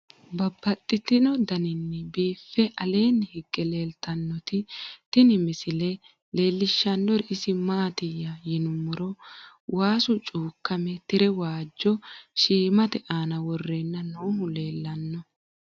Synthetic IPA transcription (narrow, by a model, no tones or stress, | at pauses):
bɐbːɐt̪ʼːɪt̪ɪnɔd̪ɐnɪnːɪbiːfːɛʔɐle̞ːnːhɪɡːɛle̞ːlt̪ɐnːɔt̪ɪt̪ɪnɪmɪsɪlɛ | le̞ːlːɪʃːɐnːɔɾɪsɪmaːt̪ɪjːɐjɪnʊmːɔɾɔ | waːsʊt͡ʃʼuːkːɐmɛt̪ɪɾɛwaːd͡ʒːɔʃiːmɐt̪ɛʔaːnɐwɔrːeːnːɐnoːɦʊle̞ːlːɐnːɔ